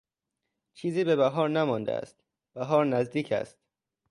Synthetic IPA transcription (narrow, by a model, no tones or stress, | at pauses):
t͡ʃʰiːziːbe̞bæɦɒːɾnæmɒnd̪ḛæ̰st̪ | b̥æɦɒːɾnæzd̪iːcʰæ̰st̪